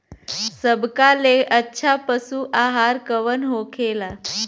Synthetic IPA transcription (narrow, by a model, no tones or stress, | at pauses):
səbkaleʔətːɕʰapəsuːʔaɦaɾkəʋənɦokʰela